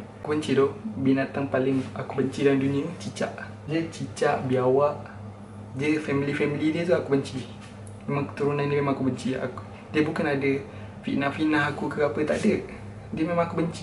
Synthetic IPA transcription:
akubəɲt͡ʃidɔʔbinat̪aŋpalɪŋakubəɲt͡ʃidalndunĩət͡ʃit͡ʃaʔ | d͡ʒət͡ʃit͡ʃaʔbiawaʔ | d͡ʒəfɛmilifɛmilidiət̪uakubəɲt͡ʃi | memaŋkə̥t̪uɾunãndiəmemaŋakubəɲt͡ʃia̰ku | diəbukanadə | fiʔnafinaɦakukəapət̪aʔdəʔ | diəmemãŋakubəɲt͡ʃi̥

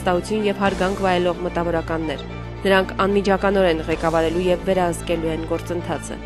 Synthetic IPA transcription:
st̪ɑhut͡sʰjunjɛvhɑɾɡɑŋkʰvɑjɛlɔʁmət̪ɑvɔɾɑkɑnːɛɾ | nəɾɑŋkʰɑnmid͡ʒʰɑkɑnɔɾɛnʁɛkɑvɑɾɛlujɛvːɛɾɑhəskɛluɛnɡɔɾt͡sənt̪ʰɑt͡sʰə̰

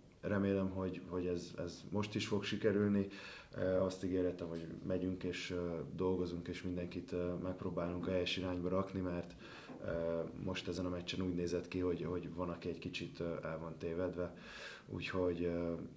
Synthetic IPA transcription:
rɛmeːlɛmɦo̞ɟho̞ɟɛzɛ̰zmo̞ʃt̪iʃfo̞kʃikɛɾylni | øɒst̪iɡeːɾɛt̪ɛmɦo̞ɟmʔɛɟyŋkeːʃd̪o̞lɡo̞zuŋkeːʃmind̪ɛŋkit̪mɛk̚proːbaːluŋkɦɛjɛʃiɾaːɲbɒɾɒknimɛrt̪ː | mo̞ʃt̪ɛzɛnɒmɛt͡ʃːɛnuːɟneːzɛt̪kiɦo̞ɟɦo̞ɟvɒnɒkiɛckit͡ʃit̪ːɛlvɒnt̪eːvɛd̪ʋɛ | ṵːcho̞ɟ

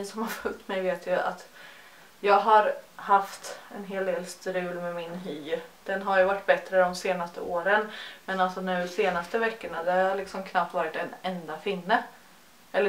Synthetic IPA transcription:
sɔmhaɾfɵlt̪mɛjveːt̪ʰjɵa̰t̪ | jɑːɡɦaɾhaft̪ɛnɦeːld̪eːlst̪ɾʉ̟ːlmɛmɪnɦyːɾd̪̥ɛnɦaɾjʊvaʈːbɛt̪ɾəd̪ɔmseːnast̪əoːɾənmɛnalsɔnʉ̟ːseːnast̪əvɛkːəɳad̪ɛhaaɭɪksɔmkʰnap̚t̪vɑːɾɪt̪ɛnɛnd̪afɪnːə | ɛlːə

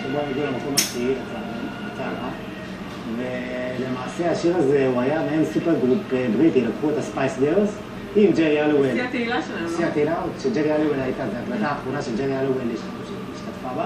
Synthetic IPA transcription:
eboameɡilemako̞maʃiiet̪a | at͡saʁa | vele̞maːseaʃiʁaze̞uajameemsupeʁɡʁupebʁit̪ilokχuet̪aspajsdeʁs | imd͡ʒeʁialuwelt̪eilaʃʃiat̪ilaot̪ʃed͡ʒeʁialuwelajt̪azeaklat̪aːχonaʃeld͡ʒeʁialuweliʃ | ʃeiʃt̪at̪faba

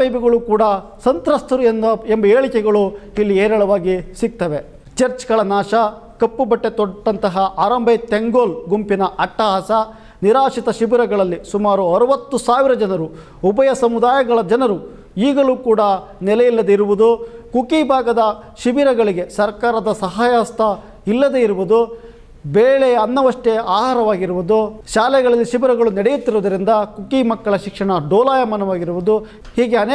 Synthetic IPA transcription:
pɐjbiɡɐɭukuːɽɐ | sɐnt̪ɾɐst̪ʰuɾuenɐembɐeːɭikɛɡɐɭuilːieːɾɐɭɐʋaːɡisiɡ̚t̪ɐʋe | t͡ʃɐɾt͡ʃɡɐɭɐnaːʃɐ | kɐpːubɐʈːe̞t̪ɔːɐnt̪ɐɦɐʔaːɾɐmbʱɐjt̪eŋɡoːlɡumpinɐʔɐʈːɐɦɐsɐ | niɾaːʂit̪ɐʃiʋiɾɐɡɐɭɐlːisumaːɾuɐɾuʋɐt̪ːusaːʋiɾɐd͡ʒɐnɐɾu | ubɐjɐsɐmud̪aːjɐɡɐɭɐd͡ʒɐnɐɾu | iːɡɐɭuːkuːɽɐ | nɛlɛjilːɐd̪eiɾuʋud̪ukukibʱaːɡɐd̪ɐ | ʃiʋiɾɐɡɐɭiɡe̞sɐɾkaːɾɐd̪ɐsɐɦaːjɐst̪ɐ | ilːɐd̪eiɾuʋud̪u | beːɭeɐnːɐʋɐʂʈeaːɦaːɾɐʋaːɡiɾuʋud̪uʃaːlɛɡɐɭɐlːiʃibiɾɐɡɐɭunɛɽejut̪ːiɾɔːd̪ɐɾind̪ɐkukimɐkːɐɭɐʃikʂɐɳɐɖɔːlaːjɐmɐnɐʋaːɡiɾuʋud̪u | hiːɡeɐneː

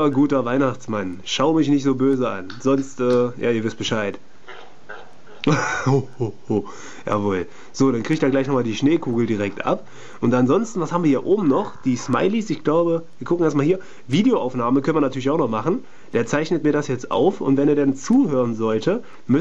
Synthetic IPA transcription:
ɐɡuːtɐvaɪnaχt͡smanʃaʊmɪç̬nɪçtz̥oːbøːzəʔa̰nzɔnstʔɛːjaːiːɐvɪst̚b̥əʃaɪt | o | o | ja̰ːvoːl | z̥oːɾankʁ̥iːçtd̥aːɡlaɪçnɔʁχmaːldiːʃneːkʰuːɡl̩diːʁɛk̚tʔa̰p | ʔʊntanzɔnstn̩vashaːbm̩viɐhiːɐʔoːbm̩nɔχd̥iːsma̰ɪliːsɪçɡ̥laʊbəviːɐkʰʊkŋ̩eɐstmaːlɦiːɐ | viːdejoʔaʊfnaːməkʰœnviɐnatʰyːɐlɪçaʊxnɔχmaχn̩ | d̥eːɐt͡saɪçnətmiːɐdasjɛt͡stʔa̰ʊfʊ̰ntvɛneːɐdɛnt͡suːhøːʁənzɔltʰə | mʏ

